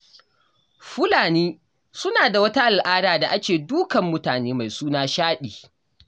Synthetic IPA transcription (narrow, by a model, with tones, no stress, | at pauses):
ɸʊ˦laː˨niː˦ | sʊ˦naː˨da˨wɐ˦ta˦ʔa˨lʔaː˦daː˨da˨ʔa˦kt͡ʃʲeː˨duː˦kɐ˨mːʊ˦taː˨neː˦ma˨jsuː˦naː˦ʃaː˦ɗiː˨